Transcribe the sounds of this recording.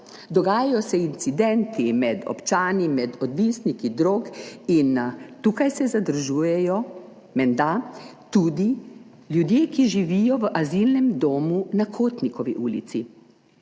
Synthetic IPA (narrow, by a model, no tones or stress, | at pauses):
d̪ɔɡaːjajɔsɛint̪sid̪ɛnt̪imɛd̪ɔ̰pt͡ʃaːnimɛd̪ɔd̪ʋiːsnikid̪ɾoːkint̪uːkajsɛzad̪əɾʒuːjɛjɔ | mɛnd̪at̪uːd̪i | ljud̪jeːkiʒiʋijɔʋəʔazilnɛmd̪oːmunakʰoːt̪nikɔʋiʔuːlḭt̪si